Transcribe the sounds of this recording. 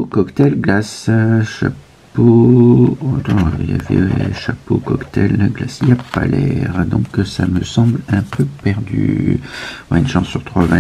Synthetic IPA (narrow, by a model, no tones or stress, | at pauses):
kɔkt̪ɛlɡlasʃap | o | t̪ɑ̃za̰vɛ̰ʃapokɔkt̪ɛlɡlasiapalɛʁd̪ɔ̃ksaməsɑ̃blɛ̃pøpɛʁd̪y̰ | waynʃɑ̃syʁt̪χwavɛ̃